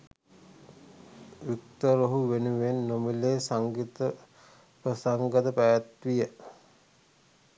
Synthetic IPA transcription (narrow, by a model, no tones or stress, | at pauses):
ʋik̚t̪oɾoɦuʋenuʋenːomileːsaŋɡit̪ə | prəsaŋɡəd̪əpæjat̪ʋijə